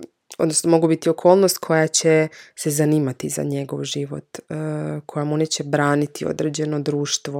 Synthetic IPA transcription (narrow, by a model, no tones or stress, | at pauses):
od̪nosnomo̞ɡubit̪io̞kʰo̞ːlˠno̞st̪̚kʰo̞jat͡ɕesezaniːmat̪iza̰ɲe̞ɡo̞ʋʒiʋo̞̰t̪ː | kʰo̞jamunet͡ɕebɾaːnit̪io̰d̪ɾe̞ːd͡ʑe̞no̞d̪ɾuːʃt̪ʋo